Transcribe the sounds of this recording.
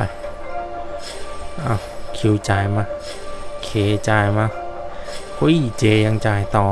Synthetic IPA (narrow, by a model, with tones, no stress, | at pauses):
j | ʔa˧˩wkʰi˧˦wt͡ɕaː˨˧˩jmaː˧ | kʰeː˨˦t͡ɕaː˨˧jmaː˧ | kʰo˧˦˧t͡ɕeː˧ja˧ŋt͡ɕaː˧˩jt̪ɔː˧